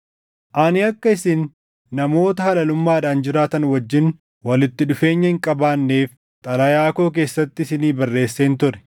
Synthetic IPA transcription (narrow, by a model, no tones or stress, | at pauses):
ʔaːnɪɐkːɐɪsɪnː | ɐmo̞ːt̪ɐhɐlɐlʊmːaːᶑaːnd͡ʒɪɾaːt̪ɐnwɐd͡ʒːɪn | wɐlɪt̪ːɪᶑʊfe̞ːɲːɐhɪŋkʼɐbaːnːeːf | t̪ʼɐlɐjaːko̞ːk̬e̞ːsːɐt̪ːɪsɪniːbɐrːe̞ːsːeːnt̪ʊɾɛ̥